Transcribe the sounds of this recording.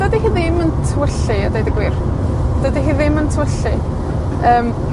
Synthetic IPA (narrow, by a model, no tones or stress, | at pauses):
d̥ədiɦiːðɪməntʰəwəɬɨadejdəɡwɪr | d̥ədiɦiːðɪməntʰəwəɬɨ | əːm